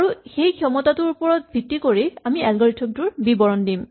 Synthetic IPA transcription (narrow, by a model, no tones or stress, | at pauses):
aɹuxejkʰiɔmɔtatʊɹupɔɹɔt̚bʱitːikoɹiamiɛlɡɔɹitʰɔmtʊɹbibɔɹɔndim